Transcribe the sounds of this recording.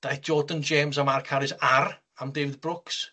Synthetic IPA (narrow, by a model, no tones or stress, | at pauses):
d̥ajθd͡ʒɔdənd͡ʒeːmzamarkʰaɾɪzaɾ | amdeːvɪðbrʊks